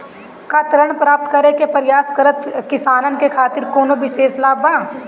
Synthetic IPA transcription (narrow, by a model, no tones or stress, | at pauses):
kɐt̪ɾəɽ̃pɾaːp̚t̪kɐɾekepɐɾɪjaːskɐɾət̪kɪsaːnənkekʰaːt̪ɪɾkoːnoʋɪʃeːslaːbãː